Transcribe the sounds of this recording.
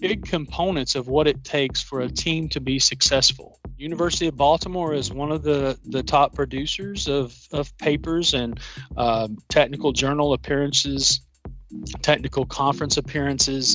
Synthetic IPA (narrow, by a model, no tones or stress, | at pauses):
b̥ɪɡ̚kʰɨ̃mpʰõʊ̃nɨ̃ntsʌvwʌɾɨtʰeɪksfə˞ɨtʰĩmtʰɨbisɨksɛsfl̩ˠjʉnɨvɜ˞sɨɾiʌvbɑlˠtəmɔɹɪzwʌ̃nʌvðɨðɨtʰɑpʰɹ̥ɨdʉsə˞zʌvʌv̥pʰeɪpə˞zɨ̃n | tʰɛk̚nɨkl̩ˠd͡ʒɜ˞nl̩ˠəpʰɪɹɨ̃nsɪz̥ | tʰɛk̚nɨkl̩ˠkʰɑ̃ɱfɹɨ̃nsɨpʰɪɹɨ̃nsɪz̥